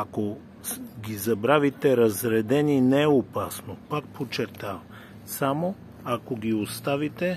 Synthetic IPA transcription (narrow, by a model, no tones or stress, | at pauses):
ako | ɡizabɾavit̪ɛɾazɾɛd̪ɛninɛopasnopak̚pʰot͡ʃɛɾt̪av | samo | akoɡiost̪avit̪ɛ